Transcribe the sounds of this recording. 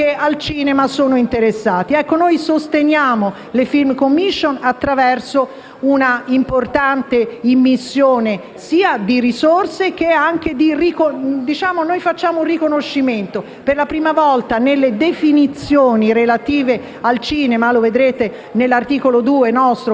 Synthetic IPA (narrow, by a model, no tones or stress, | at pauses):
kealt͡ʃiːnemasoːnoint̪eɾesːaːt̪iɛkːonojsost̪enjaːmo | lefilmkomːiʃːonat̪ːɾavɛrso | unaimport̪ant̪eimːisːjoːne | siːad̪iɾisorsek̟eaŋk̟ed̪irikod̪it͡ʃaːmonojfat͡ʃːaːmourikonoʃːiment̪o | perlapɾiːmavɔlt̪anelːed̪efinit̪sːjoːniɾelat̪iːve | alt͡ʃiːnemaloved̪ɾeːt̪e | nelːart̪iːkolod̪uːenɔst̪ɾo